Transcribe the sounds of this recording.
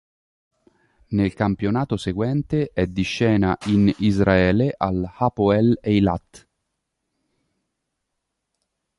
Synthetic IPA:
nelkampjonaːt̪oseɡwɛnt̪eʔɛd̪ːiʃːɛːnaʔinizraɛːleʔalhapoɛlejlat̪ː

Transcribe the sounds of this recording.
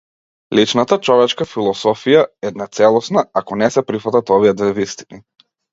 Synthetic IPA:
lit͡ʃnat̪at͡ʃɔvɛt͡ʃkafilˠɔsɔfijaɛd̪nat̪sɛlˠɔsnaakɔnɛsɛpɾifat̪at̪ɔvijɛd̪vɛvist̪i̥ni

